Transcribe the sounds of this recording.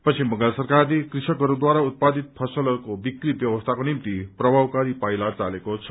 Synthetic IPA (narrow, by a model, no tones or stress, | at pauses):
pʌt͡sʰimʌɡlasəɾkaɾlikɾisəkʌɾud̪waɾaut̪̚pad̪it̪̚pʰʌsəlkobikɾibjʌwəst̪ʰakonimt̪ipɾʌbʱawkaɾipajlat͡salekot͡sʰʌ